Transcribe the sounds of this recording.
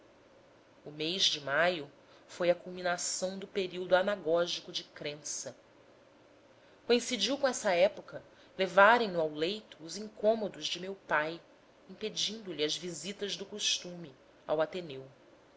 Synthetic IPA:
ʊmejʒd͡ʒɪmajʊ | fojɐkulˠminasɐ̃w̃d̪ʊpeɾiwd̪uanaɡɔʒikʊd͡ʒɪkɾẽsɐ | koĩsid͡ʒiwkõɛsɐɛpokɐ | levaɾẽj̃nʊawlejt̪ʊːzĩŋkõmod̪ʊzd͡ʒɪmewpaj | ĩped͡ʒĩnd̪ʊliɐzvizit̪ɐzd̪ʊkoʃt̪ũmi | a̰wat̪enew

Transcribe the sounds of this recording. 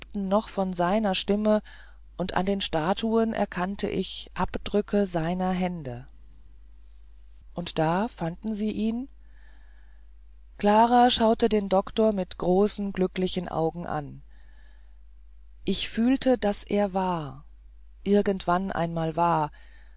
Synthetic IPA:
ptn̩nɔχfɔnzaɪnɐʃtɪmə | ʔʊntʔa̰ndeːnʃtaːtʰuənʔɛ̰ɐkʰantʰə̰ʔɪçʔapd̥ʁʏkʰəzaɪnɐɦɛndə | ʔʊntd̥aːfandn̩ziːʔiːn | kl̥aːʁaːʃaʊtədeːndɔktoːɐmɪtɡ̥ʁoːsn̩ɡlʏklɪçən̩ʔa̰ʊɡŋ̩ʔa̰n | ʔɪçfyːltəd̥asʔḛːɐvaːɐ | ʔɪɐɡəntv̥anʔa̰ɪnmaːlvaːɐ

